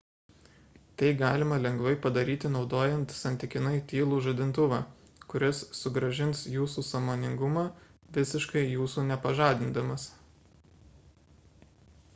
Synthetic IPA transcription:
t̪ɐɪɡɑːlʲɪmɐlʲɛŋɡʋɐɪpɐd̪ɐɾʲiːt̪ʲɪnɒʊd̪oːjɛnt̪sɐnʲt̪ʲɪkʲɪnɐɪt̪ʲiːlˠuːʒɐd̪ʲɪnt̪ʊʋɑː | kʊɾʲɪsːʊɡɾɐʒʲɪnsjuːsuːsɐmoːnʲɪŋɡʊmɑːʋʲɪsʲɪʃkɐɪjuːsuːnʲɛpɐʒɑːd̪ʲɪnd̪ɐmɐs

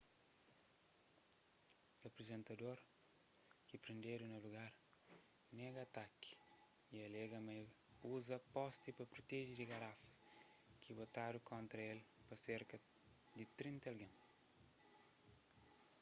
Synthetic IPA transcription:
ɐpɾizẽnt̪ɐd̪oɾ | kipɾẽnd̪eɾunɐluɡaɾ | nɛɡɐt̪aki̥ | iɐlɛɡɐme | uzɐpɔst̪ipɐpɾut̪ɛʒid̪iɡɐɾafɐ̥s | kibot̪aɾukõnt̪ɾɐelpɐseɾkɐ | d̪it̪ɾĩnt̪ɐlɡãm

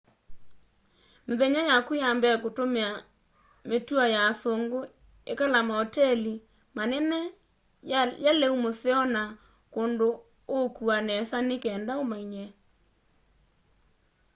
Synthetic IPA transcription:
meðɛɲajakujambɛkotomea | metuajasoŋɡo | ekalamaɔtɛli | manɛnɛ | jalɛumoseɔna | kondo | okuanɛsanekɛːndaomaiɲɛ

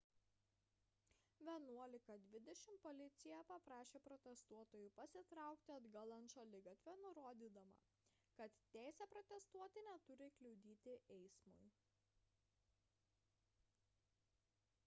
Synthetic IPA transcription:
ʋʲiɛnuɔlʲɪkɐd̪ʲʋʲɪd̪ʲɛʃʲɪmpɔlʲɪt̪sʲɪjɛpɐpɾɑːʃʲeːpɾɔt̪ʲɛst̪uɔt̪oːjʊpɐsʲɪt̪ɾɑˑʊkt̪ʲɪɐd̪ɡɐlˠɐnʃɐlʲɪɡɐt̪ʲʋʲɛnʊɾoːd̪ʲiːd̪ɐmɐ̰ | kɐt̪ːʲæˑɪsʲɛpɾɔt̪ʲɛst̪uɔt̪ʲɪnʲɛt̪ʊɾʲɪklʲɛʊd̪ʲiːt̪ʲɪʔɛɪsmʊ̰ɪ

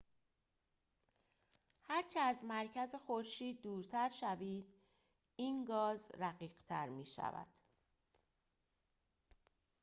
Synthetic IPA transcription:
hæɾt͡ʃʰeæzmæɾcʰæzexoɾʃiːd̪̚ːuːɾt̪ʰæɾʃæviːd̪ | iːnɡɒːzɾæɣiːɢt̪ʰæ̰ɾmiːʃæ̰væ̰d̪̥

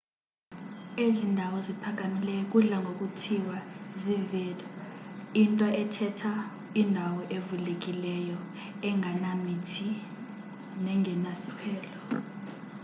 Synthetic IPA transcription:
ezindʱawɔzipʰak̬ʼamilɛjɔk̬ʼuɮaŋɡʱok̬ʼutʰiwazivɛːlʼaintʼɔʔɛtʰɛtʰa | indʱawɔʔevulek̬ʼilɛjɔ | ɛŋʱanamitʰi | nɛŋɛnasipʰɛːlɔ

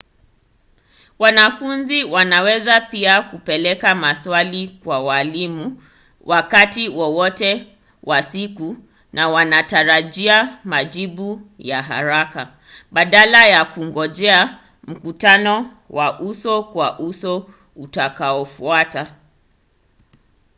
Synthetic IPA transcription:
wanafunziwanawɛzapiakupɛlɛkamaswalikwawalimu | wʔakatiwɔwɔtɛ | wʔasiku | nawanataɾaʄiamaʄiɓujaɦa̰ɾaka | ɓaɗalajakuŋɡɔʄɛa | m̩kutanɔ | waʔusɔkwaʔusɔ | utakaɔfuata

